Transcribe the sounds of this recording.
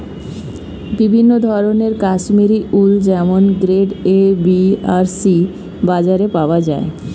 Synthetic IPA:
bibʱinːod̪ʱɔɾoneɾkaʃmiɾiʔuld͡ʑɛmonɡɾeɖebiaɾsi | bad͡ʑaɾepaoad͡ʑae

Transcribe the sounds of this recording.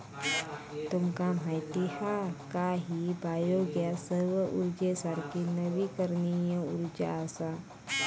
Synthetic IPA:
t̪umkam̤ajt̪ihakaɦibajoɡjasəɾʋəʔuɾd͡ʒesaɾkinəʋikəɾnijə̃uɾd͡ʒa̰sa

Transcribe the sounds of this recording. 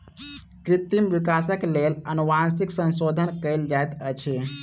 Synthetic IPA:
kɾit̪imʋikasəklelənuʋansiksə̃nsod̪ʱənkəjld͡ʒajt̪ət͡ʃʰe

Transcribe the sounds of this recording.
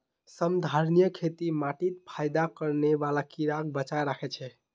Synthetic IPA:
səmd̪ʱaɾnijəkʰet̪imaʈit̪pʰajd̪akəɾneʋalakiɾak̚bət͡ʃajɾakʰɛt͡ʃʰɛ

